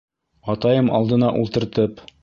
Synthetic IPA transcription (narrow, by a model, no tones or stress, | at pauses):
ɒt̪ɑjɤmɒ̰lˠd̪ɤ̆nɑʔulˠt̪ɤ̆ɾt̪ɤp